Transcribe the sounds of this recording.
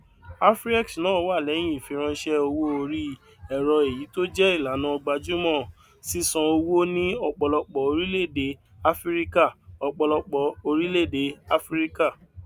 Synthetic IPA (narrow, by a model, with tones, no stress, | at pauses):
a˦fɾɛ˦ksnãː˦wa˦˨lɛ˨˦j̃ĩ˦˨i˨fĩ˧ɾ̃ã˧˦ʃɛ˦o˧wo˦o˧ɾi˦ | ɛ˨ɾɔ˧e˨ji˨˦to˦d͡ʒɛ˦i˦˨la˨˦nã˧˦ɔ˧ɡ͡ba˧d͡ʒu˦mɔ̃˦˨ | si˦sã˧o˧wo˦nĩ˦ɔ˧k͡pɔ˧lɔ˧k͡pɔ˨o˧ɾi˦le˦˨de˨˦ | a˦fɾi˦ka˦˨ɔ˧k͡pɔ˧lɔ˧k͡pɔ˨o˧ɾi˦le˦˨de˨˦a˦fɾi˦ka˦˨